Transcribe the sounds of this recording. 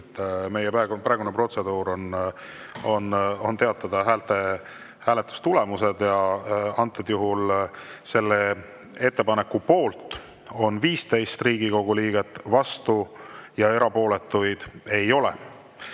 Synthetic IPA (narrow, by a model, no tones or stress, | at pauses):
t̪ːˑme̞jepæɡpæeɡunepro̞t̪se̞d̪̥uːɾo̞n | o̞no̞nt̪e̞ɑt̪ːˑɑd̪̥ɑɦæːlt̪e | hæːle̞t̪ːˑu̥st̪ule̞muse̞d̪̥jɑɑnt̪ːˑed̪̥juɦulse̞lːe | e̞t̪ːe̞pɑnekːupo̞ːlt̪ˑ | o̞nviːst̪e̞jst̪riːɡiko̞ɡ̥uliːɡe̞t̪ːˑvɑst̪ujɑe̞ɾɑpo̞ːle̞t̪ːˑujd̪̥e̞jo̞lḛ